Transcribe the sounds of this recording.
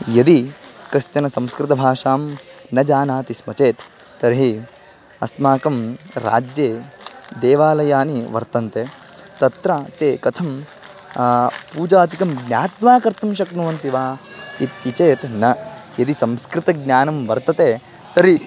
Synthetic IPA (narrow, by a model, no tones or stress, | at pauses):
jɐd̪ikɐst͡ʃɐnɐsɐ̃mskɾɪt̪ɐbʱaːʃaːmnɐd͡ʒaːnaːt̪ismɐt͡ʃeːt̪ː | ɐɾɦi | ɐ̰smaːkɐmɾa̰ːd͡ʒjeːd̪eːʋaːlɐjaːniʋɐ̰ɾt̪ɐnt̪eː | t̪ɐt̪ɾat̪eːkɐt̪ʰɐm | puːd͡ʒaːt̪ikɐmɡnʲjaːt̪ʋaːkɐɾt̪ɐmʃ̬ɐknuʋɐnt̪iʋaːit̪jit͡ʃeːt̪nɐjɐd̪isɐ̃mskɾɪt̪ɐɡ̚nʲaːnɐmʋɐɾt̪ɐt̪eː | t̪ɐɾi